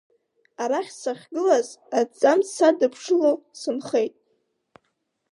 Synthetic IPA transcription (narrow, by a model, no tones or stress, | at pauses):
aɾaχʲsaχʲɡɨlazad͡zʼamsadɨpʰʂɨlosɨnχe̞jtʼ